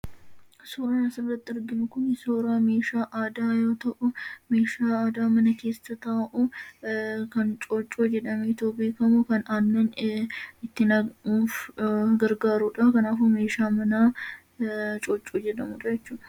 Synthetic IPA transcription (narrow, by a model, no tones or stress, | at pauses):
soːɾaːnɐsɪrːɐt̪ːɪɪɾɡɪnʊkʊnsoːɾaːme̞ːʃaːʔaːd̪aːjo̞ːt̪ɐʔʊme̞ːʃaːaːd̪aːmɐnɐke̞ːsːɐt̪ɐːʔu | kɐnt͡ʃʼoːt͡ʃʼːoːd͡ʒɛᶑɐmet̪oːbeːkɐmukɐnaːnːɐn | ɪt̪ːɪnɐuːfɡɐɾɡaːɾuːᶑakɐnaːfume̞ːʃaːmɐnaː | t͡ʃʼoːt͡ʃʼːoːd͡ʒɛᶑɐmʊɾɐjɛt͡ʃːuːɐ̥